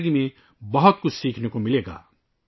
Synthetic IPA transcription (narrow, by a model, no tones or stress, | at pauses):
ɡimẽ | bɐɦʊt̪̚kʊt͡ʃʰsiːkʰnekomɪleːɡa̰ː